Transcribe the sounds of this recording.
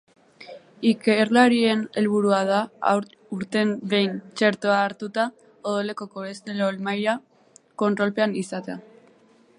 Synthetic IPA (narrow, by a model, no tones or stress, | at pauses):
ikeɾlaɾie̞ne̞lβuɾuað̞a̰ | uɾt̪e̞mbe̞jnt͡ʃe̞ɾt̪oaːɾt̪ut̪a | oðole̞ko̞koβe̞st̪e̞lolmajɾa | ko̞nt̪ɾo̞lpe̞anisat̪ea